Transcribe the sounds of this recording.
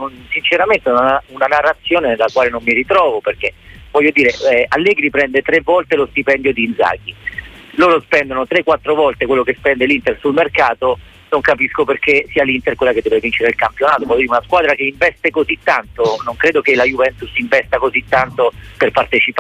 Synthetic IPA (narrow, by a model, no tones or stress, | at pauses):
nonsint͡ʃeɾament̪eunaaunanarːat̪sːjoːnenlːakwaːlenomːiɾit̪ɾɔːvoperk̟e | vɔʎːod̪iːɾeɛʔalːɛːɡɾipɾɛnd̪et̪ɾevːɔlt̪elost̪ipɛnd̪jod̪iːnd̪za̰ːɡi | loːɾospɛnd̪onot̪ɾekːwat̪ːɾovɔlt̪ekwelːokespɛnd̪elint̪elsulmerkaːt̪o | noŋkapiskoperkesiːalint̪elkwelːaked̪ɛvevint͡ʃeɾeilkampjonaːt̪ovɔʎːod̪iɾeunaskwaːd̪ɾakeiɱvɛst̪ekozit̪ːant̪onoŋkɾeːd̪ok̟elajuvɛnt̪usiɱvɛst̪akozit̪ːant̪operpart̪et͡ʃip